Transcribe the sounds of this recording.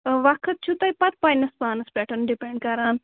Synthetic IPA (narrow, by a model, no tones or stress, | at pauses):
ʋɐkʰət̪̚t͡ʃʰut̪ɐjpɐt̪̚paːjnɐspaːnɐspɛʈɐnɖipeɳɖ̚kɐɾaːn